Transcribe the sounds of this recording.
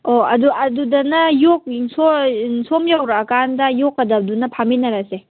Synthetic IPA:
oɐduɐdudɐnɐjok̚sosomjawɾaːkandɐjokɐdɐdunɐpʰaminɐɾase

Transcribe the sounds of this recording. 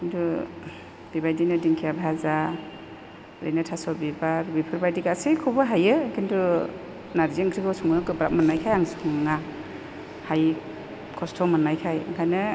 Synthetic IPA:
kintʰu | b̥ibajdinɯdiŋkʰijabʱaza | ɾḛnatʰasɔbibaɾbipʰɯɾbajdikasekʰɔbɯɦajɯkʰintʰu | naɾziŋkʰɾikʰɔwsuŋɯkɯbɾa̰p̚manajkʰajaŋsŋŋa | haj | kʰɔstʰɔmɯnːajkʰajakʰajnɯ

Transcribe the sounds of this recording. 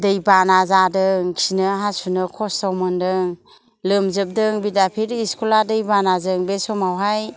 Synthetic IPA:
dɯjbanazadɯŋkʰinɯɦasunɯkʰɔstawmɯndɯŋ | lɯmzɯp̚dɯŋbidapʰiɾiskʰuladɯjbanazɯŋbesɔmawɦaj

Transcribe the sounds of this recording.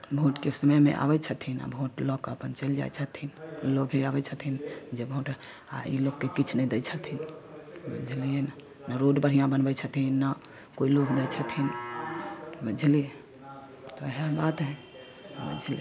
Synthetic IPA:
bʱoʈkesəməjmḛ̃ʔa̰bɛt͡ʃʰət̪ʰina̰bʱoʈlɔkəpənt͡ʃəld͡ʒa̰jt͡ʃʰət̪ʰinlobʱeabɛt͡ʃʰət̪ʰind͡ʒebʱoʈ | a̰ḭloɡkekit͡ʃʰnɛid̪ɛt͡ʃʰət̪ʰinbə̰d͡ʒʱlien | nəɾoɖpəɾɦijãbənbɛt͡ʃʰət̪ʰinːa | koilokd̪ɛt͡ʃʰət̪ʰin | bəd͡ʒʱlie | t̪ɔɦebat̪ɦɛ̃ | bə̰d͡ʒʱli

